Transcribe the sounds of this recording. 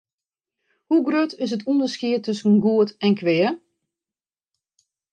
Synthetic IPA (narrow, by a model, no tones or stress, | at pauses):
huɡrøtʰɪs̬ətʰundəskɪətʰøsən̩ɡuətɛnkʰʋɪə